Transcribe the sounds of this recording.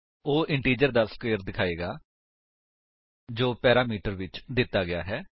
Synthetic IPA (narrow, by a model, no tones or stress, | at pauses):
oːʔɪɳʈiːd͡ʒəɾd̪aːskʋeːəɾd̪ɪkʰaːeːɡaː | d͡ʒoːpɛːɾaːmiːʈəɾʋɪt͡ʃd̪ɪt̪ːaːɡɪja̰ːɦɛː